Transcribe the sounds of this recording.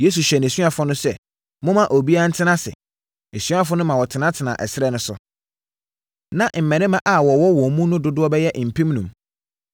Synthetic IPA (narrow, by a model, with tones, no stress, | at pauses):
je˦s̬u˨ɕᶣɛ˨n˨æ˨sũ˦a˦fʊ˦nʊ̃˦sɛ˦ | mʊ̃˦mã˨ʔo˨bi˦a˦n̩˦tʰɪ˦nã˦sɪ̰˨ | e˨sũ˦a˦fʊ˦nʊ̃˦mã˨wɔ˨tʰɪ˨nã˦tʰɪ˨nã˨ʔɛ˨sɪ˦ɾɛ˦nʊ̃˦sʊ̰˨ | nã˨m̩˨mɛ̃˨nɪ̃˦mã˦ʔa˨wɔ˨wɔ˦wɔ˨mũ˦nʊ̃˦dʊ˦dʊ˦ɔ˦bɛ˦jɛ˦ʔm̩˨pʰĩ˦mnũ˨m